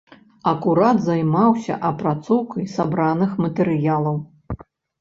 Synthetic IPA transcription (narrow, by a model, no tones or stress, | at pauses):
ɐkuɾad̪zajmawsʲɐ̰ʔɐpɾat̪sɔwkɐjsabɾanɨxmɐt̪ɛɾɨjalˠɐw